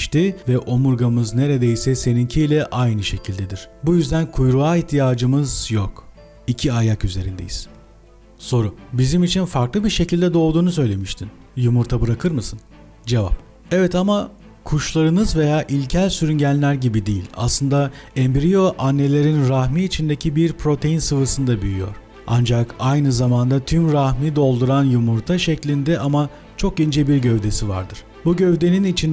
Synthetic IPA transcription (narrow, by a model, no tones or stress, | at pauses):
ʃt̪ivɛʔo̞muɾɡamɯzne̞ɾe̞d̪e̞jsɛse̞nincʰiilʲɛʔajnɯʃe̞cʰilʲd̪ed̪iɾ̝̥bujyzd̪ænkʰujɾuaːiçt̪ʰijaːd͡ʒɯmɯzjok | icʰiajakyze̞ɾḭnd̪eji̥̰z̥ | so̞ɾubizimit͡ʃʰinfaɾklˠɯbiɾʃe̞cilʲd̪ɛd̪o̞lˠd̪uːnusø̞jlʲe̞miʃt̪ʰin | jumuɾt̪ʰabɯɾakʰɯɾmɯsɯn | d͡ʒe̞va̰p̚ | evɛt̪ama | kʰuʃlˠaɾɯnɯzve̞jaːʔilʲcʰælʲsyɾynɟænʲlːʲæɾɟibid̪ejḭlʲa̰slˠɯnd̪aɛmbiɾijo̞ʔanːe̞lʲe̞ɾinɾahmiːt͡ʃʰind̪ecʰibiɾpʰɾo̞t̪ʰe̞jinsɯvɯsɯnd̪abyjyjo̞̰ɾ̥ | a̰nd͡ʒakajnɯzamand̪at̪ʰymɾahmid̪o̞lˠd̪uɾanjumuɾt̪ʰaʃɛclʲind̪ɛʔama | t͡ʃʰo̞k̚ɟind͡ʒɛbiɾɟø̞vd̪e̞siva̰ɾd̪ɯɾ̥buɟø̞vd̪e̞ninit͡ʃʰin